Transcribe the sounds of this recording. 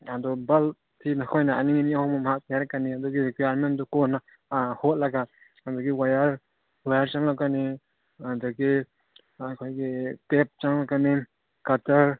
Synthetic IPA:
adɔbal | t̪ʰinakʰɔjnaaniŋiniahɔmamhak̚pjaɾkaniadɔɡiekijaɾmendɔkɔna | hɔt̚laɡaː | dɔɡiwajaɾ | wajaɾt͡ʃaŋlakani | adɔɡi | akʰɔjɡitep̚t͡ʃaŋlakani | kataɾ

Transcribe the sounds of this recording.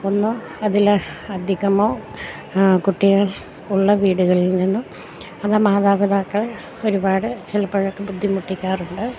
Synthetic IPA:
onːo | ɐðilɐd̪ʱiɣɐmoː | kuʈːiɣaɭ | uɭːɐʋiːɽuɣɐɭilninːu | ɐðaːmaːðaːbɐðaːkːɐɭ | o̞ɾubaːɽɨt͡ɕilɐpːɐɻokːebud̪ʱːimuʈːikʲːaːruɳɖɨ

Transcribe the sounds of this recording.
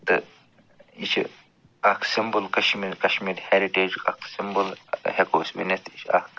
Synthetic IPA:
t̪ɨ̰ | it͡ʃʰḭ | ɐksimbulkɐʃmiːɾkɐʃmiːɾheɾiʈeːd͡ʒkɐ̰ksimbulhekoːsʲʋḭnest̪it͡ʃʰɐ̰k

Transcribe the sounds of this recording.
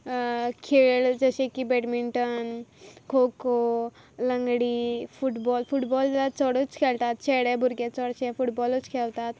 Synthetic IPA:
kʰeɭd͡zəɕẽkibeʈmiɳʈənkʰoko | lə̃ŋɡɽifuʈbɔlfuʈbɔllat͡sɔɽut͡skʰelt̪at̪̚t͡ɕʰeɽɛbʱuɾɡẽt͡sɔɽɕɛ̃fuʈbɔlut͡skʰelt̪at̪

